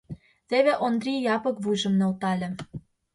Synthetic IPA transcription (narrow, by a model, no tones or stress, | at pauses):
t̪eβeʔond̪rʲijɑpɤ̆kβujʒə̆mnolt̪ɑlʲĕ